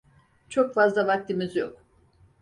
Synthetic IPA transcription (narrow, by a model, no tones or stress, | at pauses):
t͡ʃʰo̞kfazlˠavak̚t̪ʰimizjok